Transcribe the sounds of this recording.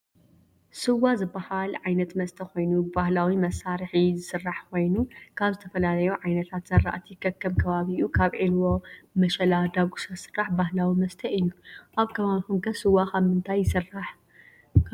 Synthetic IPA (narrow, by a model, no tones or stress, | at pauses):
sɨwːazɨbːahalʕajnɐt̪mɐst̪ʰɐko̞jnubahlawimɐsaɾħizɨsɨrːaħkʰo̞jnukʰaβzɨt̪ʰɐfɐlalɐjuʕajnɐt̪ʰat̪z̥ɐrːa̰ʔt̪ʰjɪkʰɐkːɐmkʰɐβaβiʔukʰaβʕilwomɐʃɐlad̪aɡusasɨ̥rːaħbaɦlawimɐst̪ʰɐʔɨjːuʔaβkʰɐβaβixumɡɐsɨwakaβmɨnt̪ʰajːɪsɨrːaħ